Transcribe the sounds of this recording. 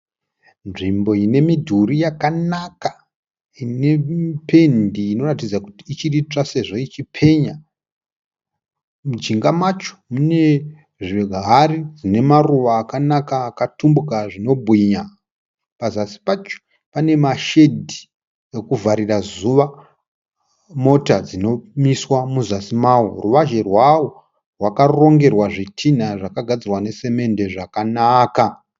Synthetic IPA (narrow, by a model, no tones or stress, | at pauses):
nʐimbo̞ine̞midʱurijakanaka | ine̞pe̞ndiːno̞ratid͡zakutiːt͡ʃirit͡ʂase̞ʐo̞it͡ʃipʰe̞ɲa | mud͡ʒiŋɡamwat͡ʃo̥mune̞ | ʐiɡɦaɾid͡zine̞maruʋaːkanakaːkatumbukaʐino̞bʱwiɲa | pazasi̥pat͡ʃo̥ | pane̞maʃe̞dʱi | ekuvʱaɾirazuʋa | mo̞tad͡zino̞miswamuzasimaworuʋaʒe̞rwawo | rwakaro̞ŋɡe̞rwaʐitʰinaʐakaɡʱad͡zirwane̞se̞me̞nde̞ʐakanaːka